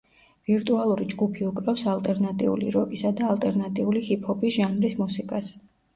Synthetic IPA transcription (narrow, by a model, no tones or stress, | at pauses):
viɾt̪ʼualˠuɾid͡ʒɡupʰiukʼɾafsalˠt̪ʼɛɾnat̪ʼḭṵlḭɾɔkʼisad̪aːlˠt̪ʼɛɾnat̪ʼiulihipʰɔbʼisʒ̥anɾismusikʼas